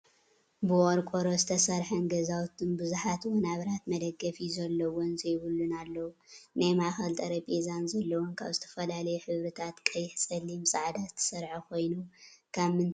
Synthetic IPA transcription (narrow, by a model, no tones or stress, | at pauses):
bɨʔoɾkʷʼoɾozɨt̪ʰɐsɐɾħɐnɡɐzawt̪ʰɨnbɨzuħat̪wɔnaβɾat̪mɐd̪ɐɡːɐfizɐlːɐwonzɐjβɨlːunalːɐwunajmaxɐlt̪ʼɐɾɐpʼezanzɐlːɐwonkʰaβzɨt̪ʰɐ̥fɐlalɐjuħɨβɾɨt̪ʰat̪kʼɐjɪħsʼɐlːimɨsʼaʕd̪azɨ̥t̪ʰːɐ̥sɐɾħakʰo̞jnukʰamɨn